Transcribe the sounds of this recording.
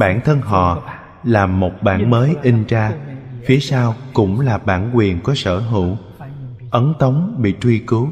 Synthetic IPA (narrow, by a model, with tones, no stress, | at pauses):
ɓaː˧˩nt̪ʰə˧nɦɔ̰˧˨ | laː˨˩o˨˩t̚ɓa̰ː˧˩nməː˨˦jʔi˧ŋt͡ɕaː˧fi˨˦əsaː˧wkʊ̰˧˥ŋ͡mlaː˨˩ɓa̰ː˧˩nkwi˨˩ənkɔ˨˦sə̰ː˧˩ɦɨ̰˧˩˨w | ʔə˨˦nt̪ə˨˦wŋ͡mɓḭ˧˨t͡ɕwi˧kɨ˨˦w